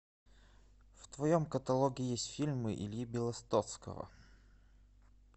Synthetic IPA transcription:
ft̪vɐjomkət̪ɐlˠoɡʲɪjesʲtʲfʲilʲmɨʔḭlʲibʲɪlˠɐst̪ot̪skə̰və̰

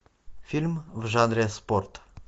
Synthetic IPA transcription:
filʲmvʒand̪ɾesport̪

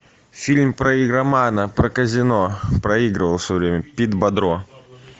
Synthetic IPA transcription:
fʲilʲmpɾɐiɡɾɐmanəpɾəkəzʲɪnopɾɐiɡɾɨvəlˠfsʲɔvɾʲemʲəpʲid̪bɐd̪ɾo

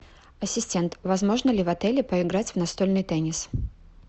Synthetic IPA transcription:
ɐsʲɪsʲtʲent̪vɐzmo̞ʐnəlʲɪvɐt̪ɛlʲɪpəɪɡɾatʲvnɐst̪o̞lʲnɨjt̪ɛnʲɪs

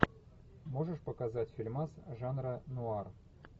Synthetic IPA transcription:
moʐəʂpəkazatʲfʲilʲmasʐanɾənuɑr

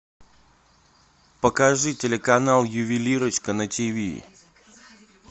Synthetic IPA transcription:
pəkaʐɨtʲɪlʲɪkɐnalˠjʊvʲɪlʲiɾət͡ɕkənətʲivʲḭ

